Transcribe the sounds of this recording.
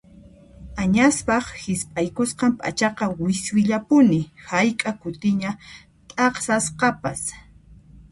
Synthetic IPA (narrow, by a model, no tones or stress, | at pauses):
aɲaspɑχhɪspʼajkʊsqɑmpʼa̰t͡ʃɑqɑwɪswɪʎapʊnɪhajkʼakʊt̪ɪɲa | t̪ʼɑχsasqɑpas